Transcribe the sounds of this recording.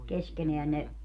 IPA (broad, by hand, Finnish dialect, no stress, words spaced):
keskeneæn ne